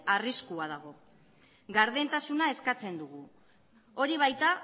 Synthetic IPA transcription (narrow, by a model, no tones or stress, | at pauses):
ariskuað̞aɣ̞o̞ | ɡaɾðe̞nt̪asunae̞skat͡se̞nd̪uɣu | o̞ɾiβ̞ajt̪a